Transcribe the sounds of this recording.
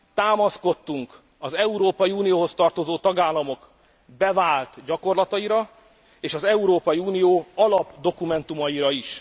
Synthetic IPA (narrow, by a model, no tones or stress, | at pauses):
t̪aːmɒsko̞t̪ːuŋk | ɒzɛuɾoːpɒjiuːnijoːɦo̞st̪ɒrt̪o̞zoːt̪ɒɡaːlːɒmo̞k | bɛvaːlt̪ɟɒko̞rlɒt̪ɒiɾɒ | eːʃɒzɛuɾoːpɒjiuːnijoːɒlɒbd̪o̞kumɛnt̪umɒjiɾɒiʃ